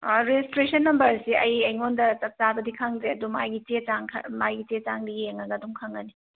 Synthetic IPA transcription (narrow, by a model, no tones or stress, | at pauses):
ɾestɾesɐnːɐmbɐɾsiɐjɐjŋondɐt͡ʃɐp̚t͡ʃabɐdikʰɐŋzeɐdumajɡit͡ʃet͡ʃaŋkʰɐ̰majɡit͡ʃet͡ʃaŋbiɡieŋɐɡɐduŋkʰaŋɐni